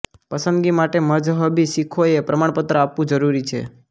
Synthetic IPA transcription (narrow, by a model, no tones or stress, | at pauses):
pəsənd̪ɡimaʈeməd͡ʒɦəbʱiʃikʰoepɾəmaɳpət̪ɾəapʋũd͡ʒəɾuɾit͡ʃʰḛ